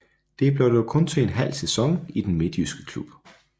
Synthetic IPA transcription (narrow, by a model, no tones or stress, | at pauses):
d̥e̝b̥lɔd̥əkʰɔ̽nt͡sʰe̝enɦæl̰sesɒ̽ŋid̥enme̝d̥jysɡ̥ə̥kʰlub̥